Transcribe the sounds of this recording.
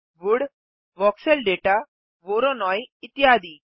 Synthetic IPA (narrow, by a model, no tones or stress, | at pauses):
ʋuɽ | ʋɔkselɖeʈa | ʋoɾɔnɔjit̪iɦad̪iː